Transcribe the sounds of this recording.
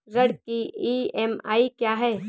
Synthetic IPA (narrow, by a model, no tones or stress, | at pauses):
ɾɐɽkiiːɛma̰ːikjaːɦɛː